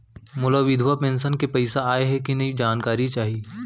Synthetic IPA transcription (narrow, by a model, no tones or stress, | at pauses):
mʊlaʋɪd̪ʱwapẽːnsənkepɐɪsaaːeɦɛkinɐid͡ʒaːnkaːɾit͡ʃaːɦieː